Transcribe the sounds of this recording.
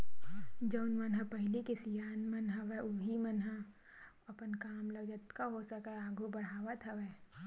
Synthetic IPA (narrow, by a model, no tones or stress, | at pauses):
d͡ʒɐʊnmɐnɦəpɐɦɪlikesijaːnmɐnɦɐʋeʊɦimənɦə | ɐpənkaːmlɐɡd͡ʒət̪kaɦosəkaaːɡʱubɐɽ̤aːʋət̪ɦɐʋeː